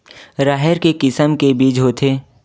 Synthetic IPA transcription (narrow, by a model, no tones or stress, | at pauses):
ɾaːɦəɾkekɪsəmkebiːd͡ʒɦoːt̪ʰeː